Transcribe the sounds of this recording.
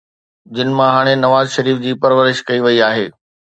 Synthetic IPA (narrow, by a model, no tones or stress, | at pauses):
d͡ʑɪnɪ̆mãɦaːɽ̃enɐʋaːzʃɐɾiːfd͡ʑiːpɐɾʋəɾɪʃkɐiʋɐiaːɦeː